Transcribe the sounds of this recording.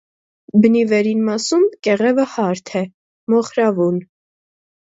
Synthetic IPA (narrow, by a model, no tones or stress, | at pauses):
bənivɛɾinmɑsumkɛʁɛvəhɑɾt̪ʰɛ | mɔχɾɑvun